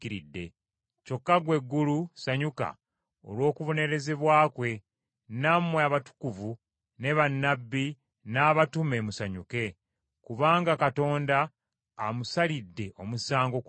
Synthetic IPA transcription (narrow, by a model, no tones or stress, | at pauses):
iɾidːe̞̰ | co̞kːaɡwe̞ɡːulusaɲuka̰ | o̞̰lwo̞ːkuβo̞ne̞ɾe̞ze̞βwaːkwe̞ | namweaβatu̥kuvu | ne̞βanːabːi | naːβatume̞musaɲuke̞ | kuβaːŋɡakato̞ːndaː | musalidːe̞ʔo̞musaːŋɡo̞k